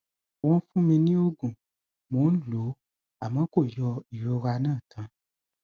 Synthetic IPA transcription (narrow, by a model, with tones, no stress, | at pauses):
w̃ɔ̃˧˦fũ˦mĩ˧nĩ˦o˦ɡũ˨ | mõ˨˦n̩˦lo˨˦ | a˨mã˨˦ko˦˨jɔ˧˦i˨ɾo˧˦ɾa˧nãː˦˨tʰã˧˦